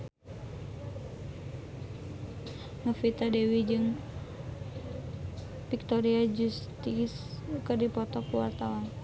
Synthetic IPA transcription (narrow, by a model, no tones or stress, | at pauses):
ŋafit̪adewid͡ʒɨŋ | pik̚t̪ɔɾiad͡ʒust̪is | kɨrdipɔt̪ɔkuwart̪awan